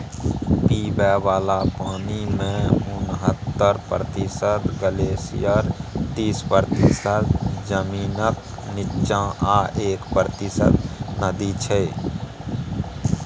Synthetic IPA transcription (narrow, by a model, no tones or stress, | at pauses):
piːbɛːwaːlapaːnimẽʊnɦət̪ːəɾpɾət̪ɪsəd̪ɡəleːsḭjəɾt̪iːspɾt̪ɪsəd̪d͡ʒəmiːnək | nɪʃãaːʔeːkpɾət̪ɪsə̰d̪nəd̪it͡ʃʰɛ